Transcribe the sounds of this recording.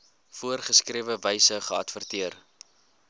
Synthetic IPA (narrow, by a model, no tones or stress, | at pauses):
fuərχəskriəvəvəjsəχəɐtfərtiər